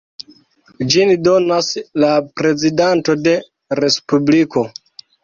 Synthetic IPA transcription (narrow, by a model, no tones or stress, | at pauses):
d͡ʒindo̞naslapɾe̞zidanto̞de̞ | ɾe̞spubliko̞